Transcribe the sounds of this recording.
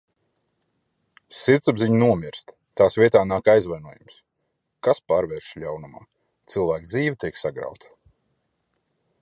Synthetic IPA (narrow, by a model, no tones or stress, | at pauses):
siɾt̪sabziɲunuɔmʲiɾst̪ | t̪ːaːsvʲiɛt̪aːnaːkajzvajnuɔjṵms | kaspaːɾvɛɾʃʎʲawnuma̰ː | t̪sɨlˠvæːkd̪ziːvʲit̪ʲiɛksaɡɾa̰wt̪ʰḁ